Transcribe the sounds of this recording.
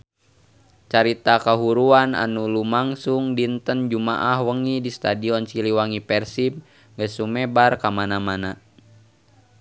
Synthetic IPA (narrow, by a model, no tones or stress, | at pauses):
t͡ʃaɾit̪akaɦuɾuana̰nulumaŋsuŋdint̪ənd͡ʒuma̰ʔahwəŋidist̪adiɔnsiliwaŋipɛrsip̚ | ŋɡəsumɛbarkamanamana